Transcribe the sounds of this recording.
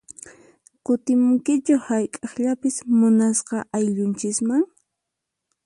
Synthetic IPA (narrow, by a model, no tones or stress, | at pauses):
kʊt̪ɪmʊŋkɪt͡ʃʊhajkʼɑχʎapɪsmʊnasqɑʔajʎʊnt͡ʃɪsmaŋ